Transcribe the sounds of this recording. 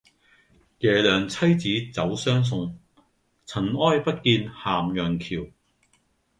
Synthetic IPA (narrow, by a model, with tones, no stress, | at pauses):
jɛː˨˩lœː˨˩ŋt͡sʰɐ˥jt͡siː˨˥t͡sɐ˨˥wsœː˥ŋs̬ʊ˨ŋ | t͡sʰɐ˨˩nɔː˥jpɐ˥t̚kiː˧nhaː˨mjœː˨ŋkʰiː˨˩w